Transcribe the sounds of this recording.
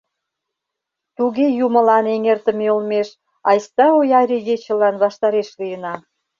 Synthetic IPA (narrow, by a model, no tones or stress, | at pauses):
t̪uɣejumə̆lɑneŋert̪ə̆meulmeʃ | ɑjst̪ɑojɑɾʲiɣet͡ɕə̆lɑnβɑʃt̪ɑɾeʃlijənɑ